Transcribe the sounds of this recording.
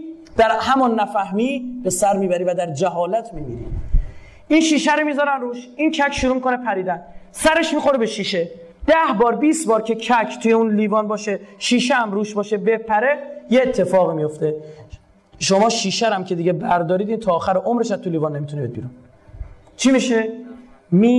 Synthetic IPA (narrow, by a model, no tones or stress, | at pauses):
d̪̥æɾhæmɒnːæfæhmiːb̥e̞sæɾmiːbæɾiːvæd̪æɾd͡ʒæɦɒːlæt̪ʰmimiːɾḭ | ʔinʃiːʃæɾomiːzɒːɾæmruːʃincʰækʰʃuɾuːmikʰonepʰæɾiːd̪ænsæɾe̞ʃmixo̞ɾebeʃiːʃe̞ | d̪̥æhbɒːɾbiːsbɒːɾcʰe̞kʰækʰt̪ʰujeunliːvɒːnbɒːʃeʃiːʃeæmɾuːʃbɒːʃe̞be̞pʰæɾejeːt̪ʰːe̞fɒːɣimijo̞ft̪e̞ | ʃomɒːʃiːʃæɾæmcʰe̞d̪iɟe̞bæɾd̪ɒːɾiːd̪int̪ʰɒːxæɾeʔomɾeʃæt̪uliːvɒnːemit̪unibed̪bḭɾun | t͡ʃʰimiʃe | mi